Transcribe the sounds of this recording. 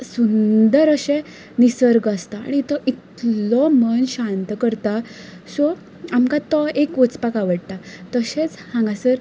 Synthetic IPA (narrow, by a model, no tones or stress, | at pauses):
sund̪əɾəɕẽ | nisəɾɡəst̪a̰ːɽ̃it̪ɔʔit̪lɔmənɕant̪kəɾt̪a | sɔ | amkat̪ɔekot͡spakaʋəɽt̪at̪əɕẽt͡shãŋɡasəɾ